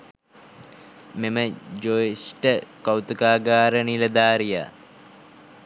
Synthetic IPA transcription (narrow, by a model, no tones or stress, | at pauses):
meməd͡ʒoesʈəkawt̪ukaːɡaːɾəniləd̪aːɾija̰